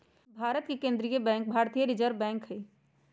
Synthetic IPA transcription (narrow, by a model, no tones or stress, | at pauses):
bʱaːɾət̪kekẽnd̪ɾijəbɛ̃ːŋk̚bʱaːɾt̪ijəɾɪd͡ʒəɾbɛ̃ːŋkɦə